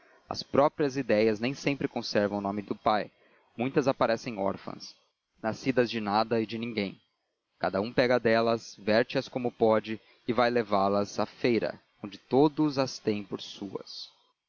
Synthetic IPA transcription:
ɐ̰spɾɔpɾiɐzid̪ɛjɐznẽj̃sẽmpɾɪkõsɛɾvɐ̃w̃ʊnõmɪd̪ʊpaj | mũj̃t̪ɐzapaɾɛsẽj̃ɔ̰ɾfɐ̰̃s | nasid̪ɐzd͡ʒɪnad̪ɐɪd͡ʒɪnĩŋɡẽj̃ | kad̪ɐũpɛɡɐd̪ɛlɐsvɛɾt͡ʃɪɐskõmʊpɔd͡ʒɪ | ɪvajlevaɾlɐzafejɾɐ̰ | õnd͡ʒɪt̪od̪ʊzɐst̪ẽj̃poɾsuɐ̰s

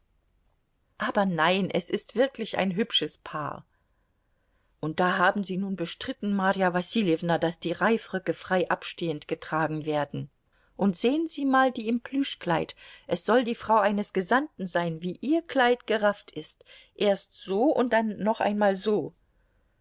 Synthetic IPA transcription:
ʔaːbɐnaɪnʔɛsɪstv̥ɪɐklɪçʔa̰ɪnɦʏpʃəspʰa̰ːɐ | ʔʊnt̚d̥aːɦaːbm̩ziːnuːnbəʃtʁ̥ɪtn̩maːʁijavasiljɛvnad̥asd̥iːʁaɪfʁʏkəfʁ̥aɪʔapʃteːəntɡ̥ətʁ̥aːɡŋ̩veːɐdn̩ | ʔʊntz̥eːənziːmaːldiːɪmpʰlyʃkl̥aɪtʔɛsz̥ɔldiːfʁ̥aʊʔaɪnəsɡ̥əzantn̩zaɪnviːʔiːɐkʰl̥aɪtɡ̥əʁaftɪst | ʔeːɐstz̥oːʊnt̚d̥anːɔχʔa̰ɪnmaːlzoː

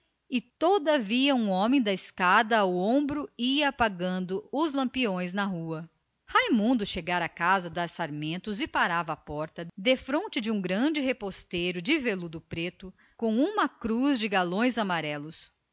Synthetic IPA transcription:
ɪt̪od̪ɐviɐũõmẽj̃d̪ɐɪskad̪ɐwõbɾʊiɐːpaɡɐ̃nd̪ʊʊzlɐ̃mpiõj̃znɐɦuɐ | hajmũnd̪ʊʃeɡaɾɐːkazɐd̪asaɾmẽnt̪ʊzɪpaɾavɐapɔɾt̪ɐd̪efɾõnt͡ʃɪd͡ʒɪũɡɾɐ̃d͡ʒɪɦepost̪ejɾʊd͡ʒɪvelud̪ʊpɾet̪ʊ | kõũmɐkɾuzd͡ʒɪɡalõj̃zamaɾɛlʊs

